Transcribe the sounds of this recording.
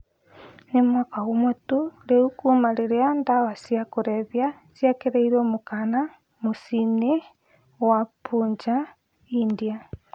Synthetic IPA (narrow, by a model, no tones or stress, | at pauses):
nemwakawomotuɾeukumaɾeɾeandawasjakoɾeβja | sjakeɾeiɾomokana | mosine | wapuːɲd͡ʒa | india